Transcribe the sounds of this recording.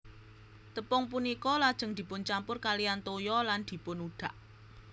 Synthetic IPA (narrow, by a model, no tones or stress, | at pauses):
t̪əpɔŋp̬unikɔlad̥ʒ̥ə̤ŋd̪̥i̤pʊnt͡ʃampʊrkalijant̪ojɔland̪̥i̤pʊnuɖ̪̥ä̤ʔ